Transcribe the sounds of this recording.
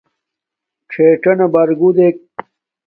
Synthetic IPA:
kʂʰeːʈɐnɐbɐɾɡud̪ek̚

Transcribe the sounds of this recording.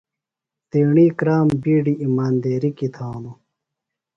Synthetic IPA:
t̪eːɳiːkɾaːmbiːɖiʔimaːnd̪eːɾikit̪ʰaːno

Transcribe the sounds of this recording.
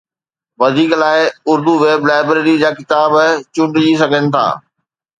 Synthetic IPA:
ʋɐd̪ʱiːklaːɪʊɾd̪uʋeːblaːɪbɾeːɾid͡ʑaːkɪt̪aːbt͡ɕʊ̃ɳɖd͡ʑisɐɡʱənɪ̆t̪ʰa̰ː

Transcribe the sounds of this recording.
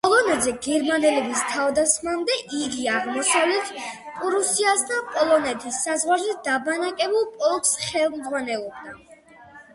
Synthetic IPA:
pʼɔlˠɔnɛd̪zɛɡɛɾmanɛlɛbist̪ʰavd̪asχmamd̪ɛʔiɡiaʁmɔsavlɛt̪ʰpʼuɾusiasd̪apʼɔlˠɔnɛt̪ʰisːazʁwaɾzɛd̪abanakʼɛbulˠpʼɔlˠksχɛlˠmd̪zʁwanɛlˠɔb̚d̪a

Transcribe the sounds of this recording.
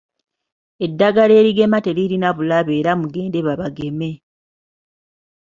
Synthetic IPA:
e̞dːaɡale̞ːɾiɡe̞mate̞liɾinaβulaβe̞ːɾamuɡe̞ːnde̞βaβaɡe̞me̞

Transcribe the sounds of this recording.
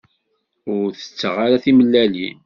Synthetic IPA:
ʊɾθə̥t͡sːəʁaɾaθiməlːælḭ

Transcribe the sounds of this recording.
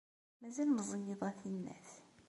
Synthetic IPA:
mæzælnəzˤijeðˤæθinːæ̰θ

